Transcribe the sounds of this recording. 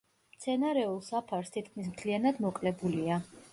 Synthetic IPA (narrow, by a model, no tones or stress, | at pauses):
mt̪sʰɛnaɾɛulˠsapʰaɾst̪ʰit̪̚kʰmis̬mt̪ʰlianad̪mɔkʼlɛbulia